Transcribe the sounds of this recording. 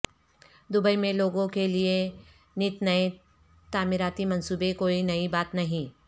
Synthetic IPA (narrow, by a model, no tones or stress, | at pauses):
d̪ʊbəimẽloːɡõkelie | nɪt̪nɐe | t̪aːmɪɾaːt̪imɐ̃nsuːbekoːinɐibaːt̪nɐɦĩː